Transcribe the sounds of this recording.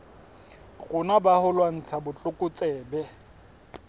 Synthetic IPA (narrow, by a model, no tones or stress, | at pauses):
ɣʊnabahʊlwan̩t͡sʰabʊt͡ɬʼʊkʼʊt͡sʼɛːbɛ